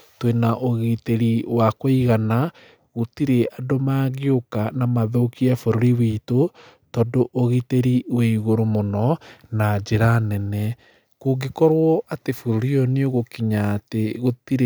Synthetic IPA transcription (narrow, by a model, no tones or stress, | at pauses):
twenaʔoɣiteɾiwakoiɣana | ɣotiɾeadomaɣeokanamaðokiafoɾoɾiwito | tɔdoʔoɣiteɾiweiɣoɾomonɔnad͡ʒeɾanɛnɛ | koɡikɔɾwɔʔatefoɾoɾiɔneoɣokiɲaːteɣotiɾe